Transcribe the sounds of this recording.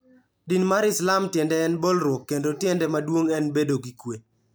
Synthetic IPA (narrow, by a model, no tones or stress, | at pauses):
dinmaɾɪslamtjɛndɛːnbolɾwɔkːendotjɛndɛmadwoŋɛnbedoɡikwe